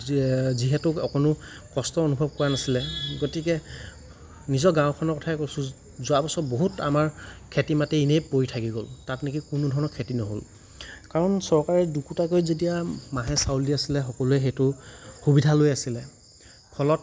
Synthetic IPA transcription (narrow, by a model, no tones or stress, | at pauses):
ziɦɛtʊɔkɔnʊ | kɔstɔonubʱɔb̚kɔɹanasilɛɡotikɛ | nizɔɡãw̃kʰɔnɔɹkɔtʰaɛkojsʊ̃ | zʊabɔsɔboɦuta̰maɹkʰetimatɛinejpoɹitʰakiɡoltatnikikʊnʊdʱɔɹɔnɔkʰetinɔɦo̰l | kaɹɔnsɔɹkaɹɛdukutak̬ojzet̬ijamaɦɛsawliasilɛxɔkɔluɛxejtʊxubidʱalojasilɛ | pʰɔlɔt̚